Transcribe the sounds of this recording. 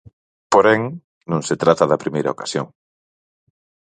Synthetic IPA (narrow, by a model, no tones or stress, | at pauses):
poɾeŋ | nõŋset̪ɾat̪ɐðɐpɾimejɾɐokḁsjoŋ